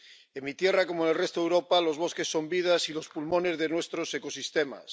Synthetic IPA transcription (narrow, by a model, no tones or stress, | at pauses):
emːit̪je̞rako̞moenelrest̪oðewɾo̞palo̞zβ̞o̞ske̞sːo̞mbiðasilo̞spulmo̞ne̞zðenwe̞st̪ɾo̞se̞ko̞sist̪e̞ma̰s